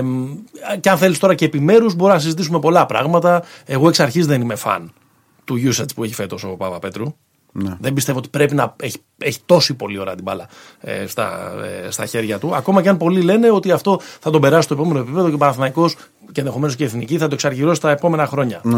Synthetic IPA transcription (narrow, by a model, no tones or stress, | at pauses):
ceɐnθe̞list̪o̞ɾɐce̞ːpime̞ɾuzbo̞ɾunɐsizit̪isume̞po̞lɐpɾɐ̰ɣmɐt̪ɐe̞ɣo̞e̞ksɐɾçizðenime̞fɐ̰n | t̪uʝusɐt͡spue̞çi̥fe̞t̪o̞sopɐvɐpe̞t̪ɾu | ðembist̪e̞voot̪i̥pɾe̞pinɐeçi̥ | eçi̥t̪o̞sipo̞lio̞ɾɐ̰t̪ibɐ̰lɐ | ḛst̪ɐ̰st̪ɐçe̞ɾʝɐt̪uɐko̞mɐcɐnpo̞lile̞ne̞o̞t̪iɐft̪o̞θɐt̪o̞be̞ɾɐsst̪opo̞me̞noepipe̞ðocepɐnɐθnɐiko̞s | ceenðe̞xo̞me̞no̞sceːθniciθɐt̪oesɐɾʝiɾosi̥t̪ɐepo̞me̞nɐxɾo̞ɲɐ